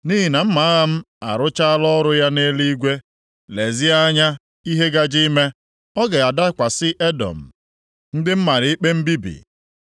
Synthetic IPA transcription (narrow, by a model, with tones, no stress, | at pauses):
ni˦ɦi˨na˨m̩˦ma˨˦a˦ɣa˦m̩˦ | a˨ɾʊ˦t͡ʃa˦lɔ˦ɾʊ˦ja˦ne˦li˦ɡʷe˦ | le˨zɪ˦a˦ɲa˦ | i˦ɦe˦ɡa˦d͡ʒi˦me˦ | ɔ˦ɡe˨a˨da˦kʷa˨sɪ˦ʔe˦dɔ̰˨m̩˨ | n̩˦dɪ˦m̩˦ma˨ɾɪ˨˦i˦k͡pe˦m̩˦bi˦bḭ˨